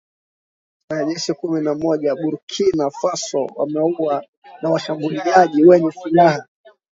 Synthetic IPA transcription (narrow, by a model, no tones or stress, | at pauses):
majaʄɛsɛkuminamɔʄaɓuɾkʰinafasɔ̰wa̰mɛuwa | nawaʃambuliaʄiwɛɲɛfulaha